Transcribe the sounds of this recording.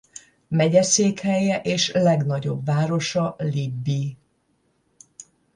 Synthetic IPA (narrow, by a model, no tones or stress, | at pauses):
mɛɟɛseːkhɛjɛʔeːʃlɛɡnɒɟo̞̰bvaːɾo̞ʃɒlibːi